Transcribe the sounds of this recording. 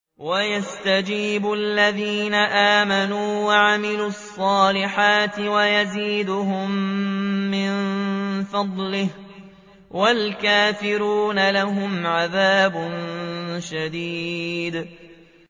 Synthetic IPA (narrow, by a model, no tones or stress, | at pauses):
wajast̪ad͡ʒiːbʊalːaðiːnaʔaːmanuːwaʕamɪluːɑsˤːɑːlɪħaːt̪ɪwajaziːd̪ʊɦʊmː | ɪnfɑd̪ˤlɪh | walkaːfɪɾuːnalaɦʊmʕaðaːbʊnʃad̪iːd̪